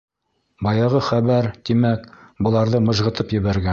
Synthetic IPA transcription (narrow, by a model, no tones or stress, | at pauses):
bɑjɑʁɤχæβæɾt̪imækbɤ̆lˠɑɾðɤmɤ̆ʒʁɤ̆t̪ɤpjɘ̆βæɾɡæ